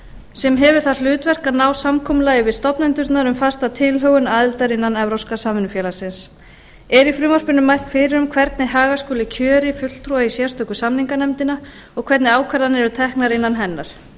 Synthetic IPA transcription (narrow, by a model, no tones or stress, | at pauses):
sɛmɦɛvʏ̥θal̥ʏːt̪vɛr̥kanaːwsamkʰɔmʏlaːjɪvɪðst̪ɔpnajnt̪ʏɾt̪naɾʏmfast̪at̪ʰɪlɦœɣʏnaːðɪlt̪aɾɪnːanɛvɾɔwskasaːmɪnʏfjɛːlaɾ̥sɪns | ɛɾifɾʏːmar̥pɪnʏmːajst̪fɪɾɪɾʏmkʰvɛɾt̪nɪɦaːɣaskɔːlɪcʰœːɾɪfʏl̥t̪ʰɾuaisjɛst̪œhkʏsamniŋkanɛmt̪ɪna | ɔɣkʰvɛɾt̪nɪaːwkʰvɛɾðanɛɾʏt̪ʰɛhknaɾɪnːanɦɛnːaɾ̥